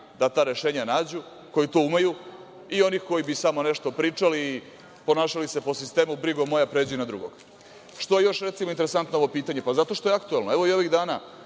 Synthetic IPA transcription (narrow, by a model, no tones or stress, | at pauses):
d̪at̪aːɾe̞ʃe̞ːɲanaːd͡ʑu | ko̞jit̪o̞ːumaju | io̞nixko̞jibisamo̞neʃt̪o̞pɾiːt͡ʂali | po̞naːʃalise̞po̞sist̪e̞ːmubɾiɡomo̞japɾe̞ːd͡ʑujunad̪ɾṵɡo̰ɡ̥ | ʃt̪o̞je̞jo̞ʃɾe̞t̪simoint̪eɾesant̪nooʋo̞piːt̪aɲe̞pazat̪o̞ʃt̪o̞jeakt̪uelˠnoeʋo̞io̞ʋiɣd̪aːna